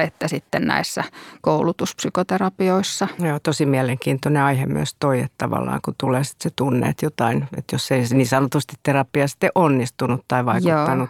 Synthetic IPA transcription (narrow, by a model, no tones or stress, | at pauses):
et̪ːæsit̪ːennæ̰isːækoulut̪uspsykot̪erɑpioisːɑjoːt̪osimiæleŋkiːnt̪oneɑihemy̰ø̰st̪oiḛtt̪ɑ̰ʋɑ̰lːɑ̰ːŋkut̪uleːsi̥t̪set̪unːḛːt̪jot̪ɑinḛt̪josːeisniːsɑnot̪ust̪it̪t̪erɑpːˑiɑst̪ːeʔonːist̪unut̪t̪ɑiʋɑikjuot̪ːɑnu